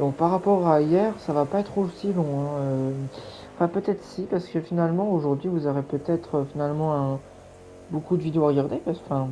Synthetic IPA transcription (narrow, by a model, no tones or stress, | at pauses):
d̪ɔ̃k̚paʁːapɔʁaijɛʁsavapaɛt̪χosilɔ̃ɛ̃ø | ɑ̃fɛ̃pøt̪ɛt̪χəsipaʁsə̥kəfinalmɑ̃oʒuʁd̪ɥivuzɔʁepøt̪ɛt̪χəfinalmɑ̃ɛ̃ | bokud̪əvid̪eoaʁəɡaʁd̪epfɛ̃